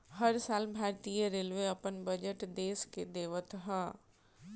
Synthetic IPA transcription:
hɐɾsaːlbʱaːɾt̪ijəɾeːlʋeɐpənbɐd͡ʒəʈd̪eːsked̪eːʋət̪ʰɦaː

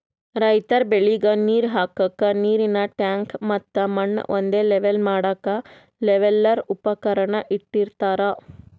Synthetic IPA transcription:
ɾɐjt̪ɐɾbeɭiɡɐniːɾɦaːkɐkːɐniːɾinɐʈaːŋkmɐt̪ːɐmɐɳ̰ːʔo̰nd̪eːleʋelmaːɽɐkɐ | lɛʋelːɐɾupɐkɐɾɐɳɐʔiʈːiɾt̪aːɾɐ

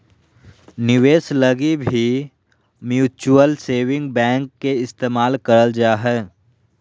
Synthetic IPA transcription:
nɪʋeːsləɡibʱi | mjuːt͡ʃuəlseːʋɪ̃ŋɡbɛ̃ːŋkːeɪst̪eːmaːlkəɾəld͡ʒaːɦɛː

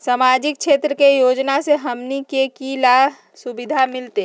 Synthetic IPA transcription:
saːmaːd͡ʒɪk̚ʃʰeːt̪ɾəkejoːd͡ʒnaseɦɐmnikekila | sʊbɪd̪ʱamɪlt̪e

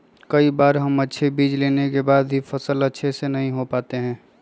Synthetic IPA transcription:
kəibaːɾɦəmətːʃʰebiːd͡ʒleːnekebaːd̪ɦifʰəsələtːʃʰesenɐɦĩɦopaːt̪eɦɛ̃ː

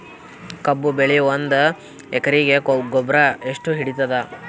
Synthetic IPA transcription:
kɐbːubeɭiʋond̪ɐ | ɛkɐɾiɡe̞ɡɔbɾɐeʂʈuɦiɽit̪ɐd̪ɐ

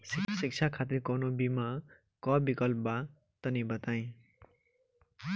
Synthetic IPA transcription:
sisik̚t͡sʰakʰat̪irkʌnobima | kʌbikʌlpba | t̪ʌnibʌt̪aj̃

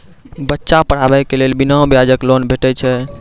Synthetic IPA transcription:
bətːʃapəɽ̤abɛjkelelbinãbjad͡ʒəklonbʱeʈɛt͡ʃʰɛ

